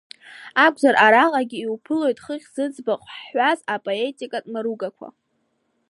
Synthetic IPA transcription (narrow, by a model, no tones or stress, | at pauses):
akʷʰʼzaɾʔaɾaqʼaɡʲiiwpʰɨlo̞jtʼχəχʲz̥ɨd͡zbaqʼħʷazapʼoe̞tʼikʼatʼmaɾuɡakʷʰa̰